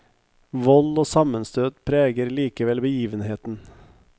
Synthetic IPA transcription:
ʋɔloːsɑmənst̪ʰøːd̪pʰɾeːɡəɾliːkəʋɛlbəjiːʋənheːt̪n̩

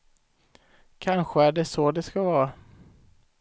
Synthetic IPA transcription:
kʰanɧəæɖɛsɔd̪ɛskavɑːɾa

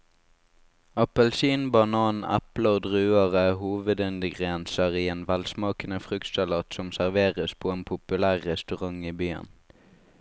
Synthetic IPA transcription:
ɑpəlsiːnbɑnɑːnæ̰pləod̪ʁʉːəʁəhuːʋəd̪ɛnd̪ɪɡʁɛnsəʁiːeːnʋɛlsmɑːkənəfʁʉkt̪sɑlɑːt̪sɔmsæʁʋeːʁəspʰoːeːnpʰʊpʉlæːʁːɛst̪ʉʁɑŋiːbyːə̰n

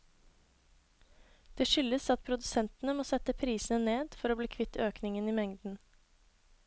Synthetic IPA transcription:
d̪̥eːʃʏləsɑt̪̚pʰɾʊd̪ʉsɛnt̪n̩əmoːsɛt̪əpʰɾiːsn̩əneːd̪fɔɾoːbliːkʰʋɪt̪ːøːknɪŋəniːmɛŋd̪n̩

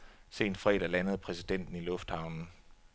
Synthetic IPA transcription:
se̝̰ːnfʁɛ̰ːd̥ɐlænəð̞̩ˠpʰʁɛsid̥en̰d̥n̩ilɔ̽fd̥hɑ̈ʊnn̩

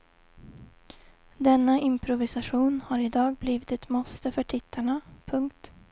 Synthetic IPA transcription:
d̪ɛnːaʔɪmpʰɾʊvɪsaɧuːnhaɾɪd̪ɑːɡ̚bliːvɪt̪ɛt̪mɔst̪əfœʈʰɪt̪ʰːaɳapʰɵŋkt̪

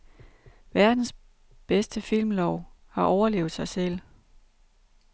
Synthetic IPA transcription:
ʋæɐd̥n̩s | b̥esd̥əfil̰mlɒʊhɑ̈ʔɒʊɐle̝̰ːʊð̩ˠsɑ̈ɪsel̰

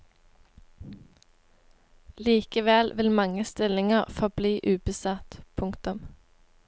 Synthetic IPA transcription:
liːkəʋɛlʋɪlmɑŋəst̪ɪlɪŋəʁfɔʁbliːʔʉːbəsɑt̪pʰʊŋkt̪ʊm

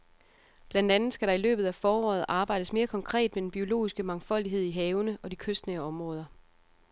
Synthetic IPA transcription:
b̥lænd̥ænð̩ˠsɡ̥æɾɑ̈ilø̰ːb̥ð̩ˠæfɒːɒ̰ːð̩ˠʔɑ̈ːb̥ɑ̈ɪ̰d̥əsme̝ːɐkʰɒ̽ŋkʰʁɛ̰ːd̥med̥enb̥io̝lo̝̰ːisɡ̥əmɑ̈ŋfɒ̽l̰d̥iɦe̝ð̞̰ˠiɦɛːʊnəʔɒ̽dikʰøsd̥neɒ̽mʁɔ̽ːð̞ˠɐ

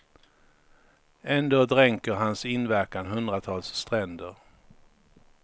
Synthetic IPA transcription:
ɛnd̪oːd̪ɾɛŋkəɾɦansɪnvæɾkanɦɵnd̪ɾat̪ʰɑːlsːt̪ɾɛnd̪əɾ

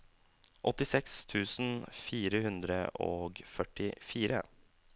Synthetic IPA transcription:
ʔɔt̪ɪsɛkst̪ʰʉːsn̩fiːɾəhʉnd̪ɾəʔoːɡfœʈɪfiːɾə̰

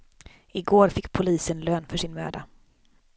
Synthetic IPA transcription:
ɪɡoːɾfɪkːpʰʊliːsənløːnfœʂɪnmø̰ːd̪a

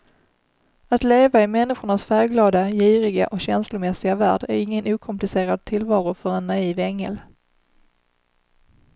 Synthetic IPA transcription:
at̪leːvaɪmɛnːɪɧʊɳasfæːɾɡlɑːd̪ajiːɾɪɡa̰ʔɔkɕɛnslʊmɛsɪɡavæ̰ːɖæ̰ɾɪŋːənuːkʰɔmplɪseːɾad̪̚t̪ʰɪlvɑːɾʊfœɾɛnːaiːvɛŋːɛ̰l

